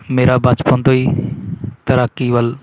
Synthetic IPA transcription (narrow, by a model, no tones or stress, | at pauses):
meːɾaːbaːt͡ʃpõnd̪oːiː | t̪əɾakːiːʋəl